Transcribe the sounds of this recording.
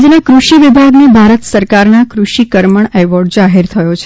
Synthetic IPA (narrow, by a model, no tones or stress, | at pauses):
d͡ʒənakɾuʃiʋɪbʱaɡnebʱaɾət̪səɾkaɾnakɾuʃikəɾməɳɛʋɔɾɖ̚d͡ʒaɦeɾt̪ʰəjot͡ʃʰ